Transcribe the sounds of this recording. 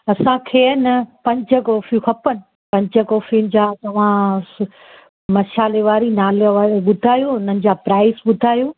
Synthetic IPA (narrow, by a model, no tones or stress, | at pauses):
ɐsãkʰeːnɐpɐ̃ɲt͡ɕəkoːfũkʰɐpənɪ̆ | pɐ̃ɲd͡ʑəkoːfinɪ̆d͡ʑaːt̪ɐʋ̤ã | mɐʃaːleʋaːɾinaːlʋaːɾɓʊd̪ʱaːjoʊn̤ən̆d͡ʑaːpɾaːɪsɓʊd̪ʱaːjuː